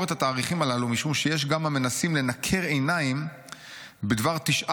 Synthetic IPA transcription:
et̪hat̪aːʁiχimalalumiʃumʃejeʃ̬ɡamhame̞nasimle̞nakʰe̞ʁe̞jnaim | bed̪vaʁt̪iʃʔa

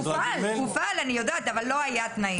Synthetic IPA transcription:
ualkufalanijo̞d̪aːt̪avalːo̞ajat̪nai

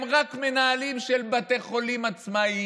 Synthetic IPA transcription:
mʁakme̞naalimʃelbate̞χo̞limat͡smai

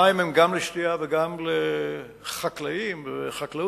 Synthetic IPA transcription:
aimemɡamleʃt̪iaveɡamle | χaklaimveχakla

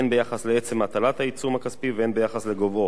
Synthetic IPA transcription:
enbejaχasleet͡semat̪alat̪hait͡sumhakaspiveenbejaχasleɡovo

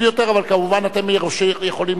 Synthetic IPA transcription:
jot̪eʁavalkamuvanat̪emoʃejeχolim

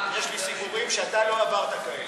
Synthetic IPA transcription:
jeʃlisibuʁimʃeat̪aloavaʁt̪ako

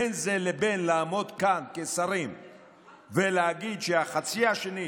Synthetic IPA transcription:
enze̞le̞be̞nlaːmo̞d̪kankesaʁim | veleaɡid̪ʃeaχat͡siaʃeni

